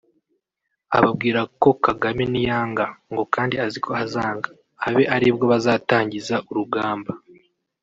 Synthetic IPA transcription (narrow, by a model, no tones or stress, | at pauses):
a̰βabɡiːɾako̞kaɡamenijaːŋɡaŋɡo̞kaːndiazikʰo̞azaːŋɡaː | βe̞ʔaɾibɡo̞βazaːtaːɲɟizaʔuɾuɡaːmba